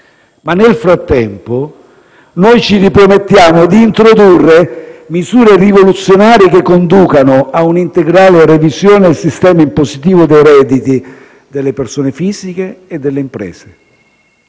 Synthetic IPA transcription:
manelfɾat̪ːɛmpo | nɔjt͡ʃiɾipɾomet̪ːjaːmʊd̪iːnt̪ɾod̪urːemizuːɾerivolut̪sːjonaːɾjek̟ekːond̪uːkanʊaunint̪eɡɾaːlerevizjoːned̪elsist̪ɛːmaimpozit̪iːvʊd̪ejɾɛːd̪it̪i | d̪elːepersoːnefiːzik̟eːd̪ːelːeimpɾɛ̰ːze̥

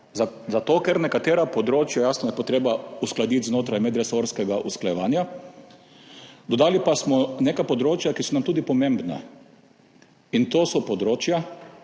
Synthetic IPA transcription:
zat̪oːkɛɾnɛkat̪eːɾapɔd̪ɾoːt͡ʃjajaːsnɔjɛpoɔt̪ɾeːbausklad̪it̪znoːt̪ɾajmɛd̪ɾɛsoɾskɛɡaʔusklajɛʋaːnja | d̪ɔd̪aːlipasmɔneːkajpɔd̪ɾoːt͡ʃjakisɔnamt̪uːd̪ipɔmẽmbna̰ | int̪oːsɔpɔd̪ɾoːt͡ʃja

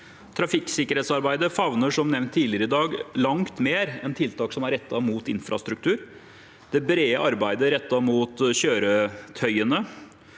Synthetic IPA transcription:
t̪ʰɾɑfɪksɪkəɾheːt̪sɑɾbæɪd̪əfɑʋnəʂɔmnɛʋnt̪ʰːiːlɪəɾəɪd̪ɑːɡlɑŋt̪meːɾɛnt̪ʰɪlt̪ʰɑːksɔmæɾɛt̪ːɑmuːt̪ɪnfɾɑ̰st̪ɾʉk̚t̪ʰʉːɾ | d̪̥ɛbɾeːəʔɑɾbæɪd̪əɾɛt̪ːɑmuːt̪ɕøːɾət̪ʰœʏənə

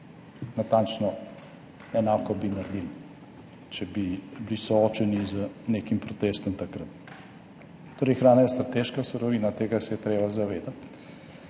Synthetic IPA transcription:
nat̪ant͡ʃnɔ | ɛnaːkɔbinaɾd̪il | t͡ʃɛbiblisɔɔt͡ʃɛnizənekimpɾɔt̪est̪ɔmt̪akɾə | t̪oːɾɛjxɾaːnajɛst̪ɾat̪eʃkasuɾɔʋinat̪eːɡasɛjɛt̪ɾeːbazaʋeːd̪at̪

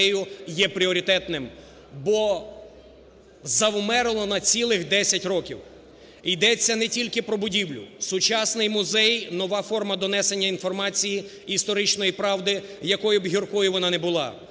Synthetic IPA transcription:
ɛjʊjɛpɾʲiɔɾʲit̪ɛt̪nɪm | bɔ | zɐwmɛɾɪlˠɔnɐt͡sʲilˠɪxd̪ɛsʲɐtʲrɔkʲiw | id̪ɛt͡sʲːɐnɛtʲilʲkɪpɾɔbʊdʲiwlʲʊ̰sʊt͡ʃɑsnɪjmʊzɛjnɔʋɑfɔrmɐd̪ɔnɛse̞nʲːɐin̪fɔrmɑt͡sʲijiː | st̪ɔɾɪt͡ʃnɔjipɾɑʋd̪ɪjɐkɔjʊbɦirkɔjʊʋɔnɑnɛbʊlˠɑ̰

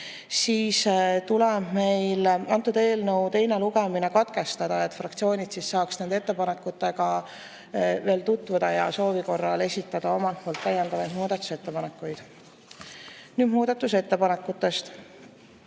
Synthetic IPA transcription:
siːst̪uleb̥me̞jlɑnt̪ːˑud̪e̞ːlnəwt̪e̞jne̞luɡemine̞kɑt̪ke̞st̪ɑd̪̥ɑe̞t̪ːˑfrɑkt̪sio̞ːnʲid̪̥sisːɑːksned̪eet̪ːe̞pɑnekːˑut̪ːˑe̞ɡɑ | ve̞ːlt̪ut̪ːˑvud̪̥ɑjɑso̞ːviko̞rːɑle̞sʲit̪ːˑɑd̪̥ɑo̞mɑlt̪̚moːlt̪ːæjːend̪ɑvɑjd̪̥muːd̪ɑt̪ːˑu̥se̞t̪ːe̞pɑne̞kːˑujd̪̥ | nyːd̪̥muːd̪̥ɑt̪ːˑuse̞t̪ːepɑne̞kːˑut̪ːˑe̞st̪

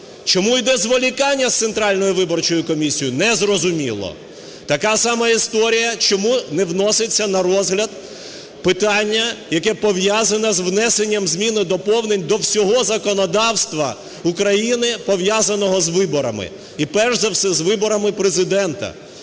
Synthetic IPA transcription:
t͡ʃɔmujd̪ɛzʋɔlʲikɑnʲːɐst̪sent̪ɾɑlʲnɔjʊʋɪbɔrt͡ʃɔjʊkɔmʲisʲijʊnɛzrɔzʊmʲilˠɔ̰ | t̪ɐkasɑmɐist̪ɔɾʲijɐt͡ʃɔmunɛʋnɔsɪt͡sʲːɐnɐɾɔzɦlʲɐd̪̚ | pɪt̪ɑnʲːɐjɐkɛpɔwjazɐnɐzʋnɛsenʲːɐmzʲmʲinɪd̪ɔpɔwnenʲd̪ɔwsʲɔɦɔzɐkɔnɔd̪ɑwst̪ʋɐ | ukɾɐjinɪpɔʋjazɐnɔɦɔzʋɪbɔɾɐmɪ̰ | ipɛʒzɐwsɛzʋɪbɔɾɐmɪpɾezɪd̪ɛnt̪ɐ̰

